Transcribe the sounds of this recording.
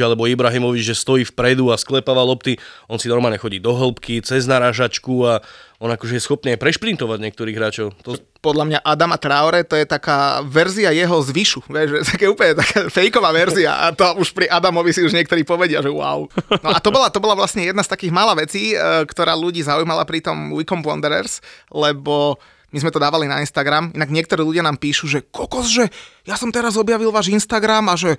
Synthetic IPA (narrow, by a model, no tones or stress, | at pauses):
alɛbɔibɾaɦimɔʋid͡ʒʒɛst̪ɔjiːfpɾɛd̪uasklɛpaːʋalɔpt̪iɔnsinɔɾmaːlɲɛxɔɟiːd̪ɔɦl̩pkit͡sɛznaɾaːʒat͡ʃkuaɔnakɔʒɛjɛsxɔp̚niajpɾɛʃpɾint̪ɔʋaɟɲɪɛk̚t̪ɔɾiːɣɦɾaːt͡ʃɔʊt̪ɔ | pɔd̪lamɲaʔad̪amat̪ɾawɾɛt̪ɔjɛt̪akaːʋɛɾziajɛɦɔzʋiʃuʋɛʃʒɛt̪kɛjɛuːpəɲɛt̪akaːfɛjkɔʋaːʋɛɾzia̰ʔa̰t̪ɔuʃpɾiʔad̪amɔʋisiuʒɲɪɛk̚t̪ɔɾiːpɔʋɛɟɪaʒɛwʊa̰ʊnɔʔat̪ɔbɔlat̪ɔbɔlaʋlasɲɛjɛd̪nast̪akiːɣmaːlaːʋɛt͡siːkt̪ɔɾaːluɟiːzaujmala̰pɾit̪ɔmwikɔmpɔ̰nd̪ɛɾɛ̰ɾslɛbɔ | mizmɛt̪ɔd̪aːʋalina̰inst̪aɡɾaminaɡɲɪɛkt̪ɔɾiːluɟɪanaːmpiːʃuʒɛkɔkɔzʒɛjasɔmt̪ɛɾazɔbjaʋilʋaːʒinst̪aɡɾamaʒɛ